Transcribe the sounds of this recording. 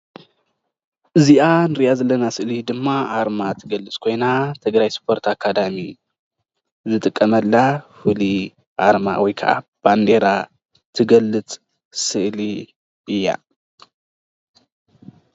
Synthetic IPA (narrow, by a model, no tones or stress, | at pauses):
ʔɨziʔanɨɾɨjazɐlːɐnasɨʔlid̪ɨmːaʔaɾmat̪ʰɨɡɐlːɨt͡sʼkʰo̞jnat̪ʰɨɡɾajspʰo̞ɾt̪akʰːad̪ami | zɨt̪ʼɨkʼːɐmɐlːafɨli | ʔaɾma̰wɔjkʰɐ̰ʔa̰b̥and̪e̞ɾa | t̪ʰɨɡɐlːɨt͡sʼ | sɨʔli | ʔɨjːa̰